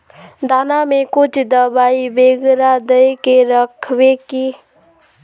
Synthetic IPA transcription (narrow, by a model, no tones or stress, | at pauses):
d̪aːnamẽkʊt͡ʃʰd̪əbaːibeːɡɾad̪əekeɾəkʰwekiː